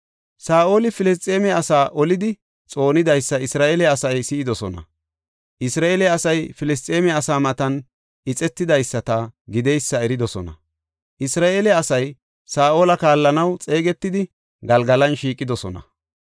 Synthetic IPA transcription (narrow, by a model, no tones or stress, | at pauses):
saːʔo̞ːlɪfɪlɪs̬t̪ʼe̞ːmɛɐsaːʔɔlɪd̪ɪ | t͡sʼo̞ːnɪd̪ɐjsːɐɪsɾaːʔeːlɛɐsɐjsɪːd̪ɔsɔnɐ̰ | ʔɪsɾaːeːlɛɐsɐjfɪlɪs̬t̪ʼeːmɛɐsaːmɐt̪ɐn | ɪt͡sʼɛt̪ːɪd̪ɐjsːɐt̪ɐɡɪd̪ɛjsːɐɛɾɪd̪ɔsɔnɐ̰ | ʔɪsɾaːʔe̞ːlɛɐsɐj | saːʔo̞ːlɐkaːlːɐnɐwt͡sʼe̞ːɡɛt̪ːɪd̪ɪ | ɡɐlɡɐlɐnʃiːkʼːɪd̪ɔsɔnɐ̰